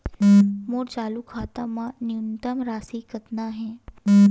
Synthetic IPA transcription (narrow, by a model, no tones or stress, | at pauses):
moːɽt͡ɕalukʰat̪amaniunt̪əmɾasiːkət̪naɦɛ̃